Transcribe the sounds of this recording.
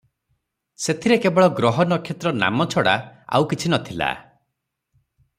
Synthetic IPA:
set̪ʰiɾekebɔɭɔɡɾɔɦɔnɔkʰjet̪ɾɔna̰mɔt͡ʃʰɔɽa̰a̰wkit͡ʃʰinɔt̪ʰila̰

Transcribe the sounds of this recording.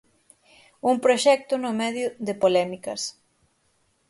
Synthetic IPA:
uŋpɾoʃɛk̚t̪ʊnʊmɛðjʊðepolɛmikɐ̰s

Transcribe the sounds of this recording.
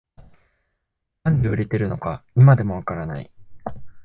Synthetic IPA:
nãnd̪eɯ̟ɾe̞t̪e̞ɾɯ̟no̞kaimad̪e̞mo̞β̞akaɾana̰ḭ

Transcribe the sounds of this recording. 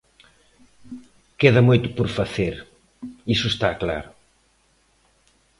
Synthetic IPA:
keðɐmojt̪ʊpoɾfaθeɾ | isʊest̪akla̰ɾʊ

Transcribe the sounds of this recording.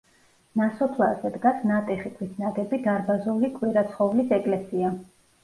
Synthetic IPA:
nasɔpʰlˠazɛd̪ɡasnat̪ʼɛχikʰwisnaɡɛbid̪aɾbazulikʼwiɾat̪sʰχɔvlisɛkʼlɛsia

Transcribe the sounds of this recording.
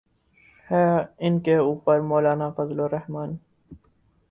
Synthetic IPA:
hɛːɪnkeuːpəɾmoːlaːnafɐzloɾɐhmaːni

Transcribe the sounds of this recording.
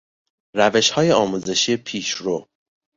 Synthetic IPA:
ræve̞ʃhɒːjeɒːmuːze̞ʃijepʰiːʃɾo

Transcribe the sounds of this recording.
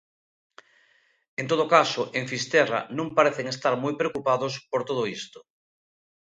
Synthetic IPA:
ent̪oðokasoʔẽɱfist̪ɛra̰nõmpaɾeθeŋest̪aɾmujpɾeokupaðospoɾt̪oð̞oist̪o̥

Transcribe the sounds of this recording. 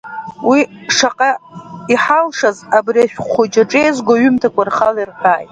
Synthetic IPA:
wiʂaqʼaiħalʂazabriaʃᶣχʷʊd͡ʒaʈ͡ʂʼejzɡʷaɥʏmtʰakʷʼarχalirkʼaːjtʼ

